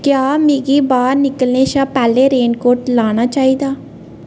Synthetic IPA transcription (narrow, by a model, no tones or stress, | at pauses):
kjaːmeːɡiːbaːɾnɪkəlneːʃaːpɛːleːɾeːɳkoːɾʈlaːñaːt͡ʃaːiːd̪aː